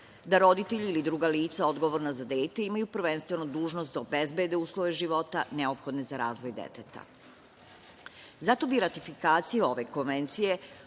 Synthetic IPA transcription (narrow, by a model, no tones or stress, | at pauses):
d̪aɾo̞d̪it̪eʎiilid̪ɾuːɡaliːt̪sao̞d̪ɡo̞ʋoɾnazad̪eːt̪e̞imajupr̩ʋe̞nst̪ʋe̞nod̪uːʒno̞st̪d̪aobezbed̪euːslˠoʋe̞ʒiʋo̞t̪a̰neo̞pxo̞d̪ne̞zaɾaːzʋo̞jd̪ḛt̪et̪a̰ | zat̪o̞biɾat̪ifikaːt̪sijeo̞ʋe̞ko̞nʋent̪sije̞